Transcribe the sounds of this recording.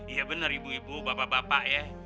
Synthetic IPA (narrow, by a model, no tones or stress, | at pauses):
ijabənəɾibuibubapabapaʔjɛ